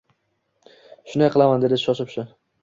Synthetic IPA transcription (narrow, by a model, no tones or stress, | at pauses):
ʃʊnajqʰɨlˠamand̪ed̪ɪʃɒʃɪpʃɪ